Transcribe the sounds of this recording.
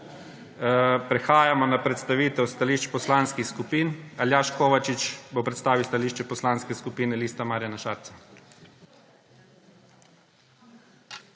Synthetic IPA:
pɾɛxaːjamɔnapɾɛt̪st̪aʋiːt̪ɛwst̪aliːʃt͡ʃpɔslaːnskixskupiːnaljaːʃkoːʋat͡ʃit͡ʃbopɾɛt̪st̪aːʋilst̪aliʃt͡ʃɛpɔslanskɛskupiːnɛliːst̪amaːɾjanaʃaːɾt̪sa

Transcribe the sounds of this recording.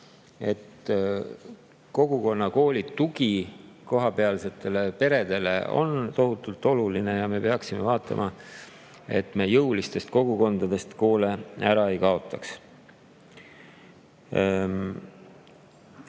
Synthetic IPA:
e̞t̪ | ko̞ɡ̥uko̞nːɑko̞ːlʲit̪ːuɡiko̞ɦɑpe̞ɑlse̞t̪ːˑe̞le̞pe̞ɾe̞d̪̥e̞le̞̰o̰nt̪o̞ɦut̪ːˑult̪ːˑo̞luline̞jɑme̞pe̞ɑksimevɑːt̪ːˑɑ̰mʔɑ | e̞t̪me̞ːjɤwlist̪e̞st̪̚ko̞ɡ̥uko̞nd̪̥ɑd̪e̞st̪ko̞ːle̞æɾɑe̞jkɑo̞t̪ːˑɑks

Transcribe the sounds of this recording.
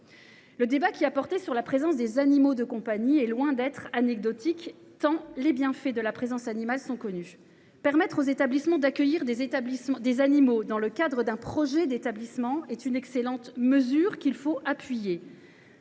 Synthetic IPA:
ləd̪ebakʲiapɔʁt̪esyʁlapχezɑ̃s̬d̪ezanimod̪əkɔ̃paɲiɛlwɛ̃d̪ɛt̪χanɛɡ̚d̪ɔt̪ik | t̪ɑ̃lebjɛ̃fɛd̪əlapχezɑ̃sanimalsɔ̃kɔny | pɛʁmɛt̪χozet̪ablismɑ̃d̪akʲəjiʁd̪ezet̪ablism̃d̪ezanimod̪ɑ̃ləkad̪ʁəd̪ɛ̃pχɔʒɛd̪et̪ablismɑ̃ɛt̪ynɛkselɑ̃t̪məzyʁkʲilfoapɥije

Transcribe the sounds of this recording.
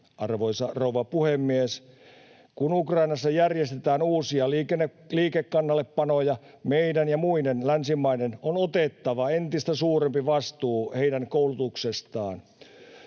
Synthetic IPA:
ɑrʋoisɑrouʋɑpuhemːies | kunukrɑinɑsːɑjærjest̪et̪æːnuːsiɑlikenː | liːkekːɑnːɑlːeppɑnojɑ | meidænjɑmuidenlænsimːæinenonot̪et̪ːɑʋɑent̪ist̪æsuːɾempiʋɑst̪uːheidæŋkoulut̪uksest̪ɑːn

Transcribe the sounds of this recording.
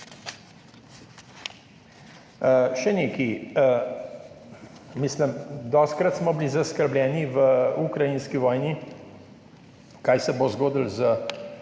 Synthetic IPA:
ʃɛneːki | misləmd̪ɔst̪̚kɾat̪smɔbilizaskəɾblʲɛːniʋəukɾajinskiʋɔːjni | kaːjsɛbozɡoːd̪ilzə

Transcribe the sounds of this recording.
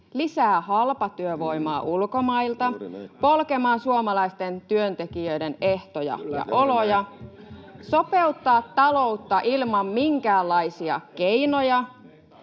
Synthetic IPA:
lisæːhɑlpɑt̪yøʋoimɑːʔulkomɑilt̪ɑpolkemɑːnsuomɑlɑist̪ent̪yønt̪ekiøideneht̪ojɑ̰jɑ̰ʔolojɑ | sope̞ut̪ːɑːt̪ːɑlout̪ːɑʔilmɑmmiŋkæːlːɑisiɑ̰k̟einojɑ

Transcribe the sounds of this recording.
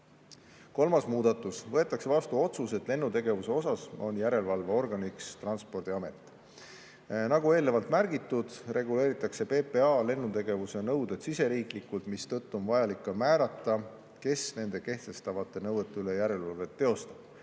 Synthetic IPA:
ko̞lmɑsmuːd̪̥ɑt̪ːˑusvɤ̞e̞t̪ːˑɑkse̞vɑst̪uo̞t̪suse̞t̪ːˑle̞nːut̪e̞ɡe̞vuse̞o̞sɑso̞njæɾe̞lvɑlve̞o̞rɡ̥ɑnikst̪rɑnspo̞rd̪̥iɑme̞t̪ːˑ | nɑɡue̞ːlne̞vɑlt̪mærɡ̥it̪ːˑud̪̥re̞ɡule̞ːɾit̪ːˑɑkse̞pe̞ːpe̞ɑle̞nːut̪e̞ɡ̥e̞vuse̞nɤwd̪e̞d̪sise̞ɾiːklikːult̪mist̪ɤt̪ːˑuonvɑjɑlikːɑmæːɾɑt̪ːˑɑ | ke̞sne̞nd̪̥e̞ke̞ht̪e̞st̪ɑvɑt̪ːˑe̞nɤwet̪ːˑeyle̞jæɾe̞lvɑlve̞t̪ːe̞o̞st̪ɑb̥

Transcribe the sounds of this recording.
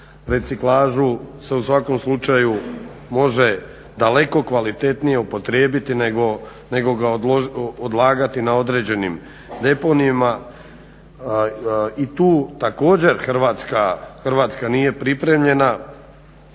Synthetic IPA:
ɾe̞t̪siklaːʒuse̞usʋako̞mslut͡ʃaju | mo̞ʒe̞ | d̪ale̞ko̞kʋalit̪e̞t̪nije̞upo̞t̪ɾeːbit̪inɡo | ne̞ɡo̞ɡaood̪lˠaːɡat̪inao̞d̪ɾe̞ːd͡ʑe̞nim | d̪e̞po̞nima | it̪uːt̪ako̞ːd͡ʑe̞ɾxr̩ʋat̪skaxrʋaːt̪skanije̞pɾipɾe̞mʎe̞na

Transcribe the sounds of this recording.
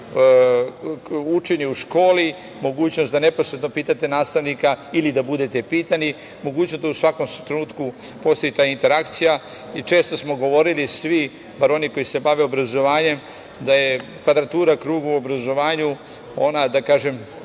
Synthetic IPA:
ut͡ʃe̞ɲeuʃko̞ːli | mo̞ɡuːt͡ɕno̞sd̪ane̞po̞sɾet̪no̞piːt̪at̪e̞naːst̪aʋnikailid̪abud̪e̞t̪epiːt̪ani | mo̞ɡuːt͡ɕnosd̪ausʋako̞mt̪ɾenuːt̪kupo̞st̪o̞jit̪aːint̪e̞ɾakt̪sija | it͡ʃe̞ːst̪o̞smo̞ɡo̞ʋo̞ɾilisʋi | baɾo̞niko̞jise̞baʋeobɾazo̞ʋaːɲe̞m | d̪ajekʋad̪ɾat̪uːɾakɾuːɡuuobɾazo̞ʋaːɲu | o̞nad̪akaːʒe̞m

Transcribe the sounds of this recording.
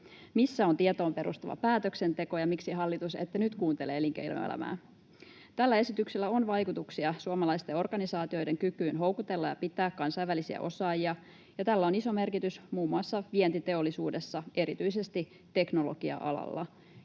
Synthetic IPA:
misːæo̞nt̪iet̪oːmpe̞ɾʔṵst̪ɑʋɑ̰pæːt̪økse̞nt̪e̞ko̞jɑmiksiɦɑlːit̪usḛt̪ːænyt̪kuːnt̪eleːliŋkḛil̰ḛlæ̰mæ̰ː | t̪ælːæe̞sit̪yksilːæo̞nʋɑjkut̪uksiɑsuɑmɑlɑist̪eo̞rɡ̥ɑnisɑːt̪io̞jde̞ŋkykyːnɦo̞wkut̪e̞lːɑjɑpit̪ːæːkːɑnsɑjʋælisiæ̰ʔo̞sɑːjiɑ | jɑt̪ælːæo̞niso̞me̞rkit̪ysmuːmːuɑsːɑʋie̞nt̪it̪e̞olːisuːde̞sːɑe̞ɾit̪yjse̞st̪i | t̪e̞kno̞lo̞̰ɡ̥iɑ̰ʔɑ̰lɑ̰lːɑ̰

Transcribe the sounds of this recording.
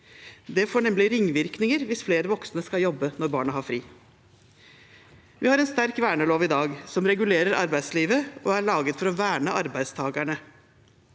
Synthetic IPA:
d̪ɛfoːɳɛmlɪɾɪŋːʋɪɾknɪŋəɾʋɪsfleːɾəʋɔksnəskɑljɔbːənɔɾbɑːɳəɦɑːɾfɾiː | ʋɪhɑɾɛnst̪æɾkʋæːɳəloːʋɪd̪ɑːɡsɔmɾɛɡʉleːɾəɾɑ̰ɾbæɪd̪sliːʋəʔɔæɭɑːɡət̪fɔɾɔʋæːɳəʔɑɾbæɪd̪st̪ʰɑːɡæɳə

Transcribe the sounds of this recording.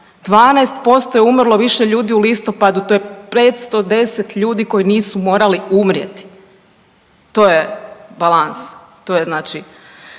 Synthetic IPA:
d̪̥ʋaːnɛest̪po̞st̪o̞jeumrlˠo̞ʋiʃeʎuːd̪iulist̪o̞pad̪ut̪ojepeːt̪st̪o̞d̪e̞set̪ʎuːd̪iko̞jiniːsumo̞ːɾaliumɾjḛt̪i̥ | t̪oːjebalˠans | t̪oːjeznaːt͡ʃi

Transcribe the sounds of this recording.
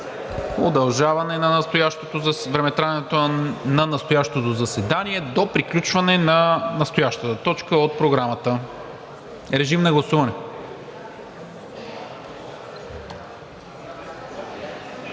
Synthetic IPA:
od̪ɐlˠʒavɐnɛnɐnɐst̪ojaʃt̪ot̪ozvɾɛmɛt̪ɾaɛt̪onɐnɐst̪ojaʃt̪ot̪ozɐsɛd̪aniɛd̪opɾiklʲut͡ʃvɐnɛnɐnəst̪ojaʃt̪ət̪ət̪ɔt͡ʃkəot̪̚pɾoɡɾamət̪ə | ɾɛʒimnɐɡlˠɐsuvɐnɛ

